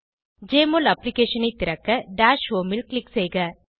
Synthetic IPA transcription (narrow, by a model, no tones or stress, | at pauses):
d͡ʒeːmolɐpːlɪkeːʂɐnɐɪt̪ːɪɾɐkːɐɖaːʂʋoːmɪlklɪksɛjɣɐ